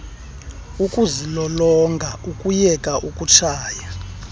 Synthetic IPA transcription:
ukʼuzilɔlɔŋɡʱaukʼujɛkʼaʔukʼut͡ʃʰaːja

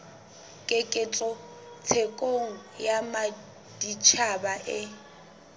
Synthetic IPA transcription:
kʼɪkʼɪt͡ɬʼɔ | t͡sʰekʼoŋ̩jama | d̥it͡ʃʰabaʔɪ

